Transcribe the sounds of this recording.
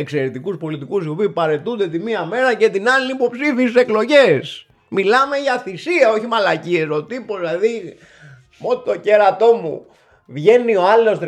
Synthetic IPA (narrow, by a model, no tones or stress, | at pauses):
e̞kse̞ɾet̪ikuspo̞lit̪ikusio̞piipɐɾe̞t̪und̪et̪imiɐme̞ɾɐce̞t̪inɐliipo̞psiθisise̞klo̞ʝes | milɐme̞ʝɐθisiɐo̞çimɐlɐcieso̞t̪ipo̞zlɐði | mo̞t̪oceɾɐt̪o̞mṵ | vʝe̞nio̞ɐlo̞st̪